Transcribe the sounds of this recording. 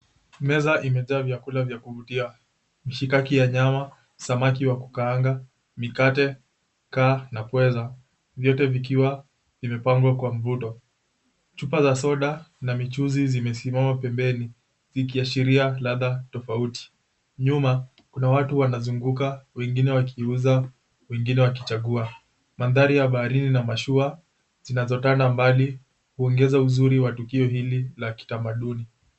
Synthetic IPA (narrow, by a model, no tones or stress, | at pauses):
mɛzaʔimɛzaːvjakulavjakuvutia | miʃikakijaɲama | samak̬iwaku̥kaaŋɡa | mikatɛ | kaːnapwɛza | vjɔtɛvik̬iwa | vimɛpaŋɡwakwam̩vutɔ | t͡ʃupazasɔɗanamit͡ʃuzizimɛsimamapɛmbɛni | zikiaʃiɾialaðatɔfauti̥ | ɲuma | kunawatuwanazuŋɡukawɛŋɡinɛwakʰiuza | wɛŋɡinɛwak̬i̥t͡ʃaɠua | manðaɾijaɓaːɾininamaʃua | zinazɔtandambali | huɔŋɡɛzauzuɾiwatukiɔhililaki̥tamaɗuni